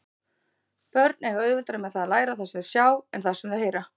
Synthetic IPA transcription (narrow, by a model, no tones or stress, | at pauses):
pœɾt̪̚nɛɣaœːɥðvɛlt̪aɾɪmɛðθaðalaːjɾaθasɛmðsjaːwɛnθasɛmðaheːjɾa